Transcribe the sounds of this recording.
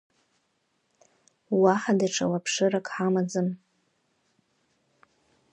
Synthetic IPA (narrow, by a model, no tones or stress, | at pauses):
waħadaʈ͡ʂʰa̰wapʰʂɨrakʼħamad͡zɨm